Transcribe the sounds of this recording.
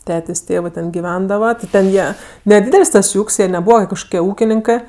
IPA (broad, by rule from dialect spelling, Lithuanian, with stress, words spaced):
ˈtʲæːtʲeːsʲ ˈtʲeːʋɜ tʲɛn ɡʲɪˈʋʲɛndɐʋɐ tʲɪ tʲɛn ˈjiɛ nʲɛˈdʲiːdʲɛlʲsʲ ˈtɐs ˈjuː ˈuːkʲsʲ jiɛ nʲɛˈbuːʋɐ kɐʃˈkoːkʲiɛ ˈuːkʲɪnʲɪŋkɜ